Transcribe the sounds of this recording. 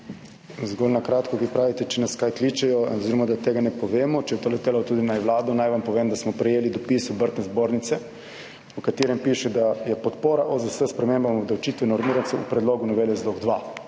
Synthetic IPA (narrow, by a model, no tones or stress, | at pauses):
zɡolnakɾaːt̪kɔkipɾaːʋit̪ɛt͡ʃɛnaskajklit͡ʃɛjɔoziɾɔmad̪at̪eːɡanɛpɔʋeːmɔt͡ʃɛjɛt̪oːlɛt̪eːlawt̪uːd̪inajʋlaːd̪ɔnajʋampɔʋeːmd̪asmɔpɾɛjeːlid̪ɔpisubəɾt̪nɛzboɾnit̪sɛ | ukat̪iːɾɛmpiːʃɛd̪ajɛpɔt̪poːɾaʔɔzəsəspɾɛmembamɔbd̪awt͡ʃiːt̪ʋɛnɔɾmiːɾant̪sɛṵpɾɛd̪loːɡunɔʋeːlɛzloɡd̪ʋa